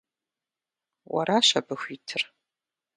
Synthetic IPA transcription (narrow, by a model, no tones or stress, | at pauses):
wɐ̰ɾaːɕɐbɨxʷiːtʰɨr